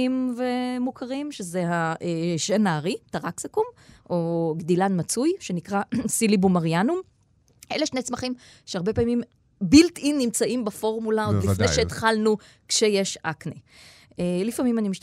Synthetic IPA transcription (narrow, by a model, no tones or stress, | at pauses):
imvemukʰaʁimʃezehaʔeʃenaʁitaʁaksakumʔoɡdilanmat͡sujʃenikʁasilibumaʁjanum | ʔeleʃnet͡smaχim | ʃeaʁbepaːmim | biltimːimt͡saʔimbafo̞ʁmulaod̪lifnejʃeːt̪χalnu | kʃejeʃa̰kne | elifamimanimiʃ